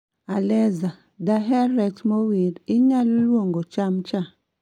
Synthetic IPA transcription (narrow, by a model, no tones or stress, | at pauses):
alɛza | daɦɛɾɛktmowiɾɪɲallwoŋɡot͡ʃamt͡ʃa